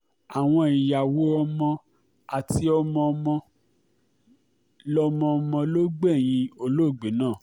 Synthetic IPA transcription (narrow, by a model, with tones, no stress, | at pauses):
a˨w̃ɔ̃˧i˧˨ja˨wo˦ɔ˧mɔ̃˧ | a˨ti˧˦ɔ˧mɔ̃˧mɔ̃˧ | lɔ˧mɔ̃˧mɔ̃˧lo˦ɡ͡bɛ˦˨j̃ĩ˧o˧lo˦˨ɡ͡be˨˦nãː˦˨